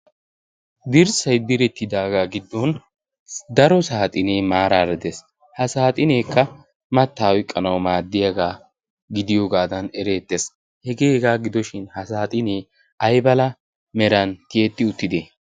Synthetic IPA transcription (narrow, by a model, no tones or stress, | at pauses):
d̪ɪɾsɐjd̪ɪɾɛt̪ːɪd̪aːɡaːɡɪd̪ːɔn | d̪ɐɾɔsaːt̪ʼɪneːmaːɾaːɾɛd̪es | hɐsaːt̪ʼɪneːkːɐ | mɐt̪ːaːwɔjkʼːɐnɐwmaːd̪ːɪjɐɡaː | ɡɪd̪ɪjoːɡaːd̪ɐnɛɾe̞ːt̪ːeːs | hɛɡeːɡaːɡɪd̪ɔʃɪnhɐsaːt̪ʼɪneː | ɐjbɐlɐ | mɛɾɐnt̪ɪɛt̪ːɪʊt̪ːɪd̪e